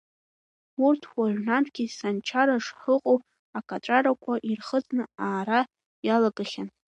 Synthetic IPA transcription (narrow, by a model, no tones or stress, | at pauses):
urtʰwaʕnantʰʼɡ̥ʲisant͡ʃʰaɾaʂħəqʼow | akʼatʼaɾakʷʰaʔirχət͡sʼnɨaːɾa | jalaɡʼaχʲan